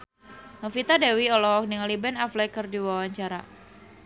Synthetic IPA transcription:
nɔfit̪adewiɔlɔk̚niŋalibɛnaflɛkərdiwawaɲt͡ʃaɾa̰

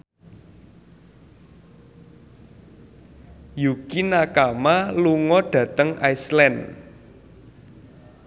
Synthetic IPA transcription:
jukinakamaluŋɔɖ̥ä̤t̪əŋʔajslɛn

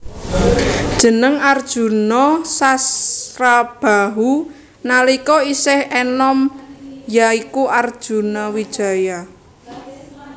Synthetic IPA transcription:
d̥ʒ̥ə̤nəŋard̥ʒ̥ṳnɔsasɾab̥a̤ɦu | nalikɔisɪhɛnɔmjaikuʔard̥ʒ̥ṳnɔwid̥ʒ̥a̤ja

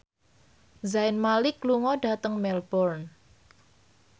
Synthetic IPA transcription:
zaɪnmalikluŋɔɖ̥a̤t̪əŋmɛlbɔrn

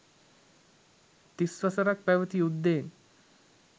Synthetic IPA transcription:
t̪isʋasəɾak̚pɛʋət̪iːud̪ːen

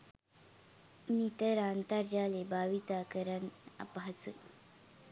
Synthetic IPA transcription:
nit̪əɾant̪aɾd͡ʑalebaʋit̪akəɾəna̰pɦasṵ

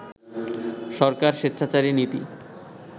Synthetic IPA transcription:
ʃɔɾkaɾʃet̪ːɕʃʰat͡ɕaɾinit̪ḭ

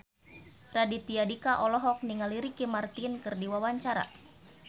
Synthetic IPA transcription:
radit̪iadikaʔɔlɔɦɔk̚niŋaliɾikimart̪inkɨrdiwawaɲt͡ʃaɾa̰

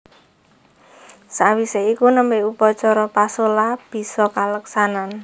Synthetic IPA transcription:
sawiseikunəmbeupɔt͡ʃɔɾɔpasolab̥i̤sɔkaləksanan

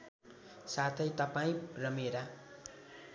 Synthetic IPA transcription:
sat̪ʰʌjt̪ʌpaĩrʌmeɾa

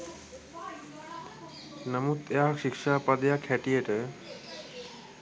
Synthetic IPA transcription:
nəmut̪ejakʃikʃapad̪ejakʰɛʈieʈe

